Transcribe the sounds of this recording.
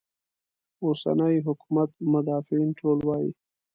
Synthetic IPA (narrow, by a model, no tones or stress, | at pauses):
osa̰nəjɦʊkumat̪mʊd̪ɑfinʈʰolwɑjḭ